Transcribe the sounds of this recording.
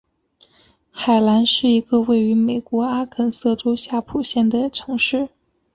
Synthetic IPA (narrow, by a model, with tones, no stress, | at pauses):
xa˨˩ɪla˧˥nʂɻ̩˥˩i˧˥ɡə˧we˥˩ɪy˧˥me˨˩ɪkwɔ˧˥a˥kʰə˨˩nsɤ˥˩ʈ͡ʂo˥ʊɕja˥˩pʰu˨˩ɕjɛ˥˩nd̪ə˩ʈ͡ʂʰɤ˧˥ŋʂɻ̩˥˩